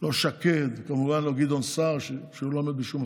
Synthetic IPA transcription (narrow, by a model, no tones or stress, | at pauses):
loʃaked̪kamuvanloɡid̪onsaʁʃeʃeulomebiʃum